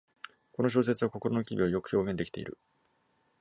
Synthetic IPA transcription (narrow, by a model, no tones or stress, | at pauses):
ko̞no̞ɕ̬o̞ːs̬e̞t͡sɨβako̞ko̞ɾo̞no̞kʲibʲiβajo̞kɯ̟̥ço̞ːɡẽnd̪e̞ki̥t̪e̞̰ḭɾɯ̟